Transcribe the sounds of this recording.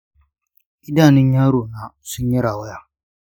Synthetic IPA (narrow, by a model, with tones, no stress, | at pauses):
i˦da˦˨ni˦ɲa˦ɾo˨na˨su˦ɲɛ˦ɾa˨wa˦ja˦